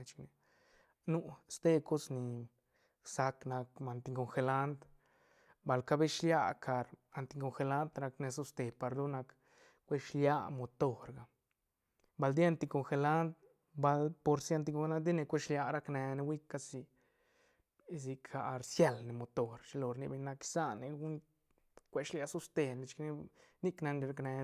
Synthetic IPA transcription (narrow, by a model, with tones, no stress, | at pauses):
t͡ʃmi˨ | nu˧st̪e˦˧ko˦sni˨ | sa˧kna˧kma˧nt̪i˧ŋko˨ŋxe˧la˦nt̪ | ba˨lka˦be˦ʃlja˦kʰa˧ɾa˨nt̪i˧ko˧ŋxe˧la˦nt̪ɾa˧kne˧so˦st̪e˧pa˧ɾd̪o˦nːa˧k | kʷe˦ʃlja˦mo˨t̪o˧ɾɡa˨ | ba˧ld̪i˦a˧nt̪i˧ko˧ŋxe˧la˦nt̪̚ | ba˧lpo˧ɾsi˧˦a˧nt̪̬i˧ko˧˦a˦d̪i˦ne˧kʷe˦ʃlja˧ɾa˦kne˧ne˧wi˦ka˧si˧ | s̬i˧kʰa˨ɾsje˧lne˨mo˨˧t̪o˨ɾʃi˧lo˨ɾni˧be˧ɲna˧ki̥˧sa˦ne˧ɡu˦n | kʷe˧˦ʃlja˧su˦st̪e˧ne˧t͡ʃkni˦ni˦kna˧ne˧ɾa˧kne˧